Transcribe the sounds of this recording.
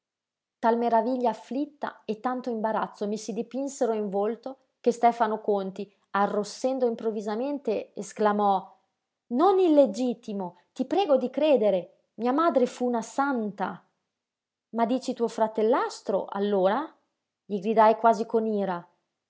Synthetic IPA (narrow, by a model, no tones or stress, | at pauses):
t̪almeɾaviʎːaːflit̪ːa̰et̪ːant̪oimbaɾat̪sːomisid̪ipinseɾoiɱvolt̪o | kest̪ɛːfanokont̪i | arːosːɛnd̪oimpɾovːizament̪eesklamɔ | nonilːed͡ʒit̪imo | t̪ipɾɛːɡod̪ikɾeːd̪eɾe | miamaːd̪ɾefuːnasant̪a̰ | mad̪iːt͡ʃit̪uːofɾat̪elːast̪ɾo̰ʔa̰lːoːɾa | ʎiɡɾid̪ajkwaːzikoniːɾa